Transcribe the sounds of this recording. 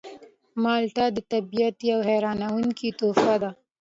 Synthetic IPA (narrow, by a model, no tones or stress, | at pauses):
mɑlʈad̪ət̪abijat̪iawɦeɾɑnawuŋkit̪ofad̪a